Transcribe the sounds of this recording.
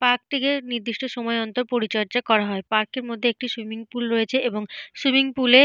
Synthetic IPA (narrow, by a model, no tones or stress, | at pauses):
paɾk̚ʈʰikeniɾd̪iʃʈoʃɔmɔeɔnt̪oɾpoɾit͡ɕɔɾd͡ʑakɔɾaɦɔepaɾkeɾmod̪ʱːeek̚ʈiʃumiŋpulɾojet͡ɕʰeʔeboŋʃumiŋpule